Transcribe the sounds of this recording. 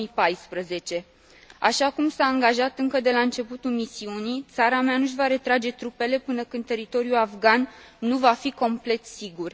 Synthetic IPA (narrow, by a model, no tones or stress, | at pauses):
ipajspɾəze̞t͡ʃe̞ | aʃakumsaːŋɡaʒat̪ɨŋkəd̪e̞laɨnt͡ʃe̞put̪ulmisiunit̪saɾameanuʃ̬ʲvaɾe̞t̪ɾad͡ʒe̞t̪ɾupe̞le̞pɨnəkɨnt̪e̞ɾit̪o̞ɾijulafɡanː | uvafiko̞mple̞t̪siɡur